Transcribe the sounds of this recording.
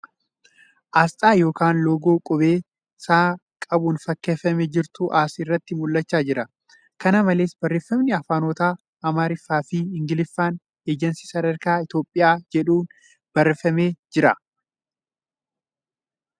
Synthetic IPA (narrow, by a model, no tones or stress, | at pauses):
ʔaːst̪ʼaːjo̞ːkaːnloːɡoːkʼʊbeː | saː | kʼɐbʊnfɐkːeːfːɐmɛd͡ʒɪɾt̪ʊʔaːsɪrːɐt̪ːɪmʊlːɐt͡ʃːaːd͡ʒɪɾɐ | kɐnɐmɐle̞ːsbɐrːeːfːɐmnɪɐfaːno̞ːt̪aː | ʔɐmaːɾɪfːaːfɪɪŋɡɪlɪfːaːn | eːd͡ʒɛnsi̥sɐd̪ɐɾkaːɪt̪jo̞ːpʼːɪjaːd͡ʒɛᶑuːn | b̥ɐrːɛfɐme̞ːd͡ʒɪɾɐ